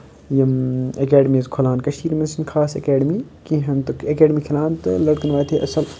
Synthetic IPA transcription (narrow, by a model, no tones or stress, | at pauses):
jɐmɐkɛːɖmiːzkʰolaːnkɐʃiːɾmensənkʰaːsḛkeːɖmikĩɦɐnt̪ɐkeːɖmikʰɐlaːnt̪ɨlɐɽkɐnʋaːt̪ʰeʔɐsɐl